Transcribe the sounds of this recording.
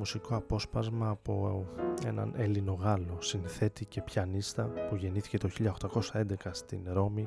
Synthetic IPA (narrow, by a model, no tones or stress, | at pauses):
musiko̞ɐpo̞spɐzmɐːpo̞e̞̰nɐ̰nʔe̞lino̞ɣɐlo̞sinθe̞t̪ice̞pçɐnist̪ɐpuʝe̞niθi̥ce̞t̪o̞çiʎɐoxt̪ɐko̞sɐe̞nd̪e̞kɐst̪inɾo̞mi